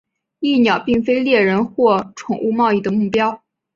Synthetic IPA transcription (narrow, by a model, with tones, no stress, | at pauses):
i˥˩njɑ˨˩ʊpi˥˩ŋfe˥ɪljɛ˥˩ɻə˧˥nxwɔ˥˩ʈ͡ʂʰʊ˨˩ŋʔu˥˧mɑ˥˧ʊi˥˩d̪ə˩mu˥˩pjɑ˥ʊ